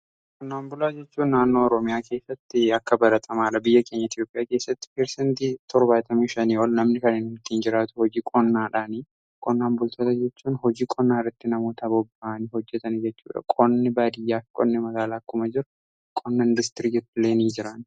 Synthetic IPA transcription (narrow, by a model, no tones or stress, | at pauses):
kʼɔnːaːnbʊlaːd͡ʒɛt͡ʃːuːnːaːnːo̞ːɔɾɔmɪjaːke̞ːsːɐt̪ːɪɐkːɐbɐɾɐt̪ʼɐmaːᶑɐbɪjːɐke̞ːɲːɐɪt̪jo̞ːpʼɪjaːke̞ːsːɐt̪ːɪ̥peɾsɛnt̪iːt̪ʰɔɾbaːt̪ʼɐmiːʃɐniːɔlnɐmnɪkɐneːnɪt̪ːiːnd͡ʒɪɾaːt̪ʊ̥hɔd͡ʒiːkʼɔnːaːᶑaːni | kʼɔnːaːnbʊlt̪ɐt̪ɐd͡ʒɛt͡ʃːuːnɦɔd͡ʒiːkʼɔnːaːrːɪt̪ːɪnɐmoːt̪ɐbɔbːaʔɐnɪhɔd͡ʒːɛt̪ɐnd͡ʒɛt͡ʃːṵːᶑɐ̰kʼɔnːɪbaːd̪ɪjːaːfɪ̥kʼɔ̰nːɪmɐɡaːlaːkːʊmɐd͡ʒɪɾʊ | kʼɔnːɐd̪ɪst̪ɪɾid͡ʒɛt̪ːɪleːniːnd͡ʒɪɾan